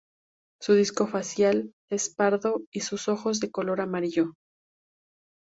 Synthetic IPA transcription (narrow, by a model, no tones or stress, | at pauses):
suðisko̞fasjal | e̞spaɾðo̞isuso̞xo̞zðe̞ko̞lo̞ɾamaɾiʝo̞